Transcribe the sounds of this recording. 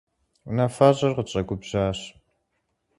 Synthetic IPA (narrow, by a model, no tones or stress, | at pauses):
unafaːʑɐrqət͡ʃʼɐɡʷʊbʑ̥aːɕ